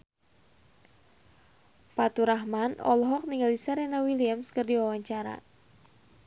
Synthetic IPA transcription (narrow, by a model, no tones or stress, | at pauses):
pat̪uɾaɦmanɔ̰lɦɔk̚niŋɡalisaɾɛnawiliamskɨrdiwawaɲt͡ʃaɾa̰